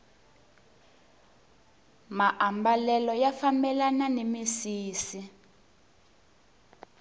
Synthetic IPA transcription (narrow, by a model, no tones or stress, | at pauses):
maʔambalɛlɔjafambɛlananemisiːsi